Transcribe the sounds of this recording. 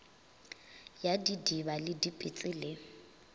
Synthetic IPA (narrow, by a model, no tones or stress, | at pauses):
jadidiβalɪdipʼɪt͡sʼɪleŋ̩